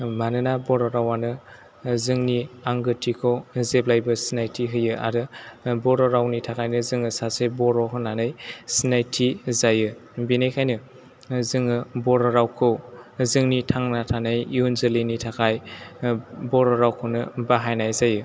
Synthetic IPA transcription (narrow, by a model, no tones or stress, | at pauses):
manɯnabɔɾɔɾawanɯ | zɯŋniaŋɡɯtʰːikʰɯwzeblajbɯsinajtʰiɦɯjɯa̰ɾɯbɔɾɔɾawnitʰakʰajnɯzɯŋɯsasɯjbɔɾɔɦɯnanɯjsinajtʰizajɯbinajkʰajnɯ | zɯŋɯbɔɾɔɾawkʰɯwzɯŋnitʰaŋnatʰanɯjiunzɯlinitʰakʰaj | bɔɾɔɾawkʰɯwnɯbaɦajnajzajɯ